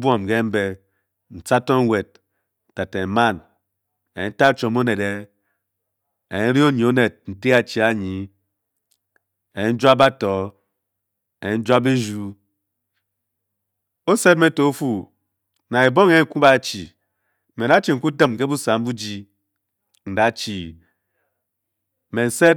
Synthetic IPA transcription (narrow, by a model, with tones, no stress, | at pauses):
bʷo˦˨m˨ke˦m̩˦be˦ | n̩˨t͡sa˦to˦ŋ˦we˨t̚ | ta˨te˨ma˦˨n | e˨n̩˦ta˦t͡ʃo˨mo˦ne˨de˦ | e˨e˦ɾi˦o˦ɲe˨o˦ne˨t̚n̩˨ti˦a˨t͡ʃi˨a˦ɲi˨ | e˨i˦n̩˦d͡ʒa˦ba˦tɔ˨ | e˨e˨˦n̩˦d͡ʒa˦be˦ʒu˦ | o˦se˦t̚me˦to˨o˦fu˨ | na˨e˨bo˦ŋe˦e˦ŋ̩˦ku˦ba˦t͡ʃḭ˨ | me˨da˦t͡ʃi˦˨ŋ̩˨˦ku˦dɨ˦m˨ke˦bu˦sa˨m̩˦bu˦d͡ʒi˦ | n̩˨da˨˦t͡ʃi˨ | me˨n̩˦se˦t̚